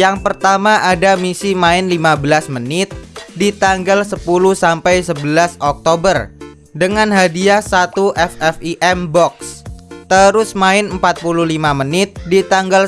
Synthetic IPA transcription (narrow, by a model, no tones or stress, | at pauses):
jaŋpərt̪amaʔadamisimaɪnlimabəlasmənɪt̪̚dit̪aŋɡalsəpuluhsampajsəbəlasɔk̚t̪obər | dəŋanɦadiasat̪uʔɛfɛfiʔɛmbɔkst̪əɾʊsmaɪnəmpat̪̚puluhlimamənɪt̪̚dit̪aŋɡal